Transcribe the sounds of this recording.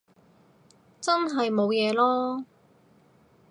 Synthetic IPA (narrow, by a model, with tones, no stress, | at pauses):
t͡sɐ˥nɦɐ˨jmo˨˧wjɛː˨˧lɔː˥